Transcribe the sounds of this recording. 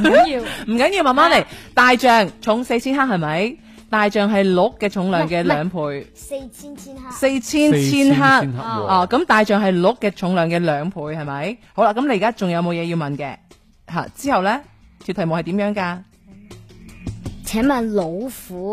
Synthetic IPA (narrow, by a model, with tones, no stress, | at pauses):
m̩˨˩kɐ˨˥nji˧wmɐ˨nmaː˥nle˨˩jt̪aː˨jt͡ʃœː˨ŋt͡ʃʰʊ˨˥ŋse˧jt͡sʰiː˥nɦaː˥k̚hɐ˨jmɐ˨˥j | t̪aː˨jt͡ʃœː˨ŋɦɐ˨jlʊ˨˥kːɛː˧t͡ʃʰʊ˨˥ŋlœː˨ŋkɛː˧lœː˨˧ŋpʰuː˨˧˥jʰ | se˧jt͡sʰiː˥nt͡sʰiː˥nɦaː˥kʔɔː˨˧kɐ˨˥mt̪aː˨jt͡ʃœː˨ŋɦɐ˨jlʊ˨˥kːɛː˧t͡ʃʰʊ˨˥ŋlœː˨ŋkɛː˧lœː˨˧ŋpʰuː˨˥jhɐ˨jmɐ˨˥jho˨˥wlaː˧˥kɐ˨˥mle˧jːkaː˥t͡ʃʊ˨ŋjɐ˨˧wmo˨˧wjɛː˨˧jiː˧wmɐ˨˩nkɛː˧ | ɦa̰ː˨t͡siː˥hɐ˨wlɛː˥ | t̪ʰy˨t̪ʰɐ˨˩jmo˨whɐ˨jt̪iː˨˥mjœː˨˥ŋkaː˧ | t͡sʰɛː˨˥mɐ˨˩nlo˨˧wfuː˨˥